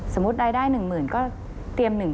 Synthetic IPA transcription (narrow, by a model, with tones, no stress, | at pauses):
so˩˦mːu˦˥t̪̚ɾaː˧jdaː˥˩jnɯ˨˩ŋmɯː˩nkɔː˥˩ | t̪i˧əmnɯ˨˩ŋ